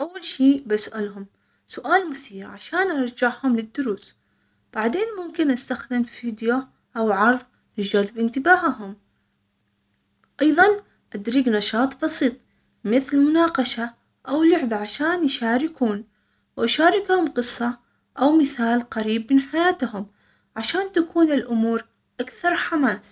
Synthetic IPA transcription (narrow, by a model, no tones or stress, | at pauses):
ʔawːalʃiːbasʔalhʊm | sʊʔaːlmʊθiːɾʕaʃaːnʔɑɾˤd͡ʒaʕhʊmlɪd̪ːʊɾuːs | b̥aʕd̪eːnmʊmkɪnʔast̪axd̪ɪmfiːd̪ja | ʔawʕɑɾˤðˤ | lɪd͡ʒalɪbʔɪnt̪ɪbaːɦɦʊm | ʔɑjðˤɑn | ʔad̪ɾiːɡnɑʃɑːt̪ˤbɑsiːt̪ˤ | mɪθlmʊnɑːqɑʃa | ʔawlʊʕbaʕaʃaːnjʃaːɾɪkuːn | wʔaʃaːɾɪkhʊmqɨsˤːɑ | ʔawmɪθaːlqaɾiːbmɪnħajaːt̪hʊm | ʕaʃaːnt̪akuːnɪlʔʊmuːɾ | ʔakθɑɾˤħamaːs